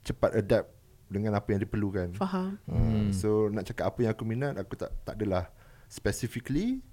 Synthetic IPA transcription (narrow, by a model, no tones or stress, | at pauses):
t͡ʃəpat̪ədɛp̚ | dəŋãnapajãŋdipərlukanfaɦaməsonãʔt͡ʃakat̪apajaŋakuminãʔakut̪a̰ʔt̪a̰ʔadalah | spɛsifikli